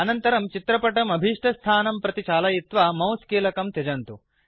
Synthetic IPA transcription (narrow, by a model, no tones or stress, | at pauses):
ɐnɐnt̪ɐɾɐmt͡ʃit̪ɾɐpɐʈɐmɐbʱiʂʈʰɐst̪ʰaːnɐmpɾɐt̪it͡ʃaːlɐjit̪ʋaːmɐwskiːlɐkɐmt̪ed͡ʒɐnt̪u